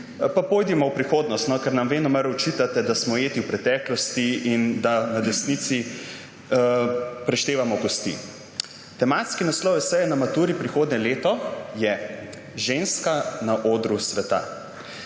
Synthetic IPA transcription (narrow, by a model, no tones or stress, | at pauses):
papoːjd̪imɔwpɾixoːd̪nɔst̪nɔkɛɾnamʋeːnɔmɐɾɔt͡ʃiːt̪at̪ɛd̪asmɔjeːt̪iwpɾɛt̪ɛːklɔst̪iind̪anad̪ɛsnit̪si | pɾɛʃt̪eːʋamɔɡɔst̪ḭ | t̪ɛmaːt̪skinaslɔwjɛsɛjɛnamat̪uːɾipɾixoːd̪nʲɛleːt̪ɔjɛ | ʒeːnskanaʔoːd̪ɾusʋɛt̪a̰